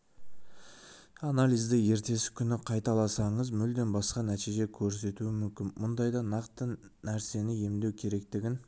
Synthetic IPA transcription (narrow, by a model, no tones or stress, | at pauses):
ɑnalʲijzd̪ɪje̞ɾt̪e̞sɪ̥kʲʰʏnɪqʰɑjt̪ɑlˠɑsɑɴəzmʏld̪e̞nbɑsqɑnæt̪iʒe̞kʲʰɵɾse̞t̪uɪmʏmkʲɪnmʊnd̪ɑjd̪ɑnɑqt̪ənæɾse̞nɪje̞md̪e̞wkʲʰe̞ɾe̞k̚t̪ɪɡʲɪn